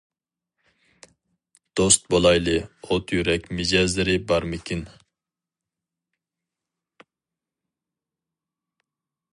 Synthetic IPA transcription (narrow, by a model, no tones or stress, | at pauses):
d̪̥ost̪̚bolˠɑjlˠɨot̪ʰjyɾɛkʲmɪd͡ʒɛzlɪɾɪbɑɾmɪkʲʰin